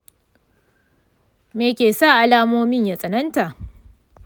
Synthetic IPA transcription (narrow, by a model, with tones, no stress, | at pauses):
meː˨kʲeː˨sa˦˨ʔa˨laː˦moː˦mɪ˦ɲja˨sʼɐ˨nɐ˦nta˨ʔ